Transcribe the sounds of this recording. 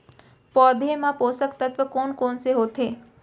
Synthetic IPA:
pɔːd̪ʱemãpoːsəkt̪ət̪ʋəkoːɳkoːɳseɦot̪ʰe

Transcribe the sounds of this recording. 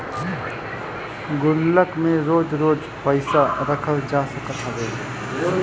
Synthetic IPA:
ɡʊlːəkmẽɾoːd͡ʒɾoːd͡ʒ | pəɪsaɾəkʰəld͡ʒaːsəkət̪ɦɐʋeː

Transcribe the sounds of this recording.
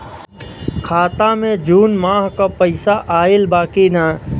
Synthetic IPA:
kʰaːt̪amẽd͡ʒuːnmaːɦkapəɪsaʔaːɪlbaːkina

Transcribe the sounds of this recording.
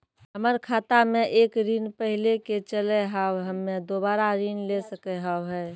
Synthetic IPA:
ɦəməɾkʰaːt̪amẽʔeːkɾiːnpəɦɪleket͡ʃəleɦaːwɦəmːẽd̪oːbaːɾaɾiːnlesəkeɦawɦɛː

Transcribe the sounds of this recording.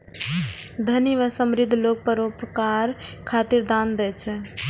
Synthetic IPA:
d̪ʱəniʋəsəmɾid̪ʱlok̚pəɾopkaɾkʰat̪iɾd̪and̪ɛt͡ʃʰɛ

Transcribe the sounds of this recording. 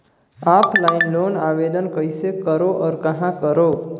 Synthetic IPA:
apʰlajinlonabed̪ənkəjsekəɾoʔɔːɾkʌɦãkəɾo

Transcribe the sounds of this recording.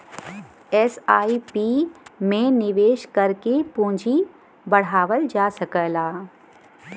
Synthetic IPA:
ɛːsaːipiːmẽnɪʋeːʃkɐɾkepõːd͡ʒʱi | bɐɽ̤aːʋəld͡ʒaːsɐkəlaː

